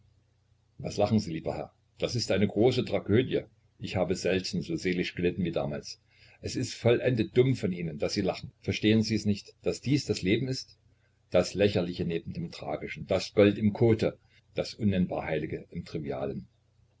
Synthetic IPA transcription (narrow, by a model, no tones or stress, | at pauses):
vaslaχn̩ziːliːbɐ̰hɛɐ | d̥asɪstʔaɪnəɡʁoːsətʁ̥aɡøːdjə | ʔɪçhaːbəzɛltn̩zoːzeːlɪʃɡ̥əlɪtn̩viːda̰ːma̰ːls | ʔɛsɪstfɔlʔɛndət̚d̥ʊmfɔnʔiːnənd̥asz̥iːlaχn̩fɛɐʃteːənziːɛsnɪçtd̥asd̥iːsd̥asleːbm̩ɪst | d̥aslɛçɐlɪçəneːbm̩deːmtʁ̥a̰ːɡɪʃn̩d̥asɡ̥ɔltɪmkʰoːtʰə | d̥asʔʊnːɛnba̰ːɐhaɪlɪɡəʔɪmtʁ̥ivia̰ːlən